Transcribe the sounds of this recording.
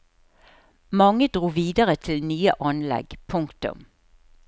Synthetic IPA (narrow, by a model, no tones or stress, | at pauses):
mɑŋəd̪ʁuːʋiːd̪əʁət̪ʰɪlnyːəʔɑnlɛ̰ɡpʰʊŋkt̪ʊ̰m